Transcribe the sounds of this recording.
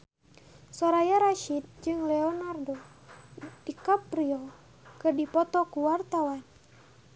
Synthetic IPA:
sɔɾajaɾaʃid̪̚d͡ʒɨŋlɛɔnardɔ | dikapɾiɔ | kɨrdipɔt̪ɔkuwart̪awan

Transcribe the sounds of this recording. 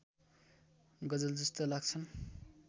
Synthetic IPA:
ɡʌd͡zʌld͡zʌst̪olaɡt͡sʰʌn

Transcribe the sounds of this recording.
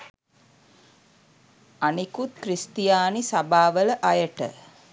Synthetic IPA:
anikut̪̚kɾist̪ijaːnisabaːʋələʔajəʈə̰

